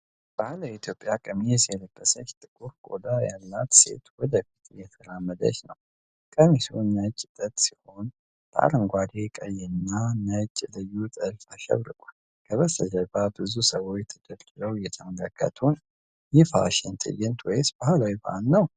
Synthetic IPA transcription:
b̥ahləjit̪ʰjo̞pʼjakʼəmisjɛləbːəsət͡ʃt̪ʼɨkʼuɾkʼo̰d̪ajalːat̪se̞̰t̪wɔd̪əfi̥t̪ʰʼjɛt̪ʰəɾamːəd̪ə̰ʃnəw | kʼəmisunat͡ʃʼɪt̪ʼət̪ʼsi̥ho̞n | b̪ʰəa̰ɾəŋɡʷad̪ekʼəjːɛnːanat͡ʃʼɪlɨjːut̪ʼəlfaʃɛ̰βɾɨkʼul | kʰəβəst̪ʰəd͡ʒəbabɨzusəwo̞t͡ʃt̪ʰəd̪əɾd͡ʒɨɾəwjɛt̪ʰəmələkːə̰t̪ʰun | jɛfa̰ʃɛnt̪ʰɨ̰jɛnt̪ʰwɔjsb̥ahlawibaanːəw

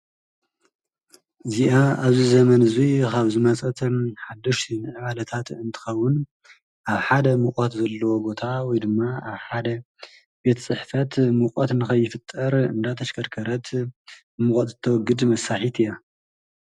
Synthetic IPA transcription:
ɨziʔaaβzizɐmɐnɨzikaβzɨmɐt͡sʼɐt̪ʰomħad̪ːɐʃt̪ʰinɨʕɨβalɐt̪ʰat̪ɨnt̪ʰɨ̥xɐwːʊn | ʔaβħad̪ɐmɨχʼɐt̪zɐlːɐwo̞bo̞t̪ʰawɔjd̪ɨmːaaβħad̪ɐ | be̞t̪ʰt͡sʼɨħfɐt̪mɨkʼɐt̪ɨnːɨxɐβjːɪfɨt̪ʼːɐɾɨ̰nd̪at̪ʰɐʃkʰɐɾkʰɐɾɐt̪ | mɨkʼɐt̪zɨt̪ʰɐwɔɡɨd̪mɐsːaħit̪ʰɨja

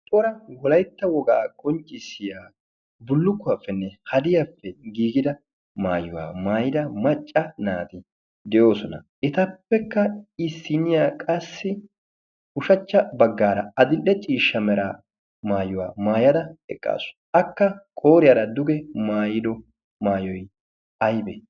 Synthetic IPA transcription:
t̪ʼoːɾɐwɔlɐjt̪ːɐwɔɡa̰ːkʼɔnt͡ʃʼːɪsɪjaː | bʊlːʊkːʊwafːɛnːɛhɐd̪ɪjɐfːɛɡiːɡɪd̪ɐ | maːjʊwa̰ːmaːjɪd̪ɐmɐt͡ʃʼːɐnaːt̪ɪ | d̪ɛjo̞ːsɔnɐʔɪt̪ɐpːɛkːɐɪsːɪnɪjakʼɐsːɪ | ʊʃɐt͡ʃːɐbɐɡːaːɾɐɐd̪ɪlʔɛt͡ʃʼiːʃːɐmɛɾaː | maːjʊwaːmaːjɐd̪ɐɛkʼːa̰ːsʊ̥ | ɐkːɐkʼo̞ːɾɪjaːɾɐd̪ʊɡɛmaːjɪd̪ɔ | maːjɔj | ɐjbɛ̰

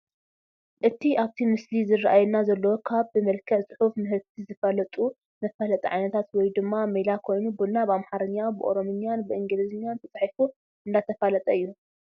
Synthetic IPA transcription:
ʔɨt̪ʰiʔaβt̪ʰimɨslizɨrːaʔajɛnːazɐlːɐwokʰaβbɨmɐlkʰɐʕt͡sʼɨ̥ħufmɨɦɨɾt̪ʰizɨfɐlɐt̪ʼu | mɐfalɐt̪ʼɐʕajnɐt̪ʰat̪wɔjd̪ɨmːamejlakʰo̞jnubunabamħaɾɨɲːabɨʔo̞̰ɾo̞mɨɲanbɨʔɨŋɡɨlɨzɨɲːant̪ʰɐt͡sʼaħifu | ɨnd̪at̪ʰɐfalɐt̪ʼɐɨjːu

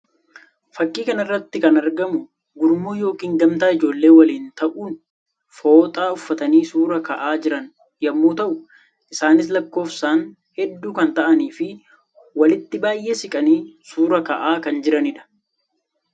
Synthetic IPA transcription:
fɐkʼːiːkɐnɪrːɐt̪ːɪkɐnɐɾɡɐmʊ | ɡʊɾmuːjo̞ːkiːŋɡɐmt̪aːɪd͡ʒo̞ːlːe̞ːwɐliːnt̪ɐʔuːn | fo̞ːt̪ʼaːʊfːɐt̪ɐniːsuːɾɐkɐʔaːd͡ʒɪɾɐn | jɐmːoːt̪ɐʔʊ | ʔɪsaːnɪs̬lɐkːo̞ːfsaːn | hɛd̪ːuːkɐnt̪ɐʔɐniːfɪ | wɐlɪt̪ːɪbaːjʔe̞ːsɪkʼɐniːsuːɾɐkɐʔaːkɐnd͡ʒɪɾɐnɪᶑɐ̥

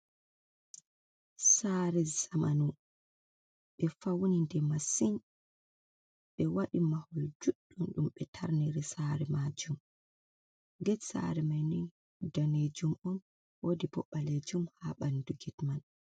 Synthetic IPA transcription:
saɾɛzamanu | ɓɛfawnindɛmasin | ɓɛwaɗimahɔld͡ʒuɗːunɗumɓɛtʰaɾniɾisaɾɛmad͡ʒum | ɡɛsa̰ɾɛmajnin | daned͡ʒumɔn | wodibɔ̰ɓaled͡ʒumhaɓanduɡɛtman

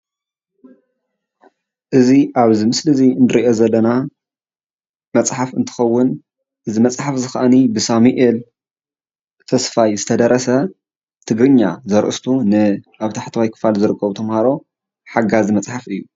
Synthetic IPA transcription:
ʔɨziʔaβzɨmɨslɨziɨnd̪ɨɾiʔo̞zɐlːɐna | mɐt͡sʼħafɨ̰nt̪ʰɨ̥xɐwːʊn | ʔɨzimɐt͡sʼħafzɨxɐ̰ʔɐnibɨsamiʔel | t̪ʰɐsfajzɨt̪ʰɐd̪ɐɾɐsɐ | t̪ʰɨɡɾɨɲːazɐɾʔɨst̪ʰunɨʔaβt̪ʰaħt̪ʰɐwajkʰɨ̥falzɨɾɨkʰʼːɐβut̪ʰɐmhaɾo̞ | ħaɡazimɐt͡sʼħafɨjːu

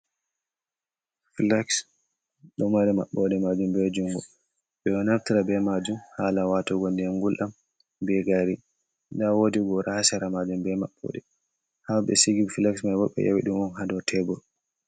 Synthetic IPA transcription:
filaks | ɗɔmaɾɛmaɓːɔɗɛmad͡ʒumbɛd͡ʒuŋɡɔ | ɓɛɔnaftiɾabɛmad͡ʒumhaːlawatɔɡɔldɛŋɡulʔam | bɛɡaɾi | ndawodiɡɔɾahasɛɾamad͡ʒumbɛmaɓːɔ̰ɗɛ | habɛ̰siɡifilɛksmajbɔɓɛ̰ja̰wḭɗumɔnɦadɔtʰɛbɔl

